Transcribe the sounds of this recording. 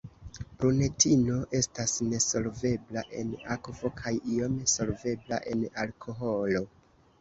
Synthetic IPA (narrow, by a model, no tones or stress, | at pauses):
bɾune̞tino̞ʔe̞stasne̞so̞lve̞blaʔe̞̰nakvo̞kʰajiomeso̞lve̞bla̰ʔe̞nalkʰo̞ɦo̞lo̞